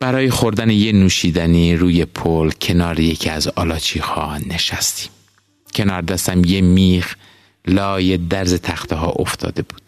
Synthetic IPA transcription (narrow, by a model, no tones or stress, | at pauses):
b̥æɾɒːjexo̞ɾd̪ænejenuːʃiːd̪æniːɾuːje̞pʰolcʰe̞nɒːɾejecʰiæzɒːlɒːt͡ʃʰiːhɒːne̞ʃæst̪i̥ːm | cʰe̞nɒːɾd̪æst̪æmjemiːɣ | lɒːje̞d̪æɾze̞t̪ʰæxt̪eɦɒ̰ːʔo̞ft̪ʰɒ̰ːd̪e̞buːd̪̥